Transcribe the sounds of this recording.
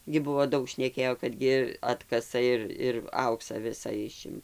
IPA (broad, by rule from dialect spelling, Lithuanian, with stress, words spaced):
ɡʲɪ ˈbʊʋoː ˈdɐʊk ʃʲnʲɛˈkʲeːjoː kɐt ˈɡʲɪ ˈɑːtkɐsɐ ɪr ɪr ˈɐʊksɐ ˈʋʲɪsɐ ˈɪʃʲɪm